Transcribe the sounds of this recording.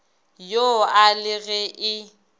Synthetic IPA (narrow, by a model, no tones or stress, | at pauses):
joalɪɣɛʔɪ